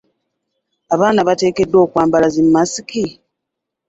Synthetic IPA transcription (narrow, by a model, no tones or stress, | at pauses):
aβaːnaβate̞ːke̞dːo̞ːkwaːmbalazimmasiki